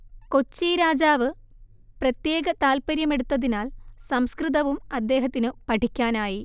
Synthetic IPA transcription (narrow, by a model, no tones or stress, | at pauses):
ko̞t͡ɕːiːɾaːd͡ʑaːʋɨ | prɐt̪jeːɡɐt̪aːlpɐɾjɐme̞ɽut̪ːɐðinaːlsɐmskrɨðɐʋumɐd̪ːe̞ːɦɐt̪ːinɨpɐʈʰikʲːaːnaːji